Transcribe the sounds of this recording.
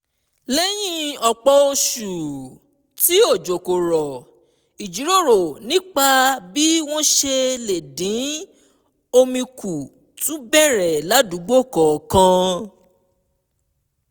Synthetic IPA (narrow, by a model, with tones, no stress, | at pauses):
le˦j̃ĩ˦ɔ˨k͡pɔ˧o˧ʃu˨ | ti˨˦o˦˨d͡ʒo˨ko˨ɾɔ˨ | i˨d͡ʒi˨˦ɾo˦˨ɾo˨nĩ˦k͡pa˧bi˦w̃ɔ̃˦ʃe˧le˨dĩ˨˦ | o˧mĩ˧ku˨ | tũ˨˦bɛ˦˨ɾɛ˨la˨˦du˨˦ɡ͡bo˦˨kɔ˨kã˧˦